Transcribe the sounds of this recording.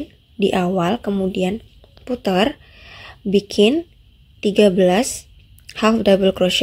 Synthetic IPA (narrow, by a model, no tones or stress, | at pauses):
n | diʔawalkəmudian | put̪ər | bikʰɪn | t̪iɡabəlas | hɛlfdabəlkɾoʃ